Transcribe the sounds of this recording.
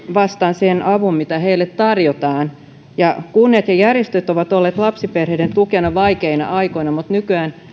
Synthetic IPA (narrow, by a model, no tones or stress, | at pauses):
ʋɑst̪ɑːnsenʔɑʋummit̪æheilːet̪t̪ɑrjot̪ɑːn | jɑkunːiɑt̪jɑjærjest̪øt̪oʋɑt̪olːeːt̪lɑpsiperheident̪ukenɑʋɑikeinɑ̰ʔɑikoinɑmut̪nykyæːn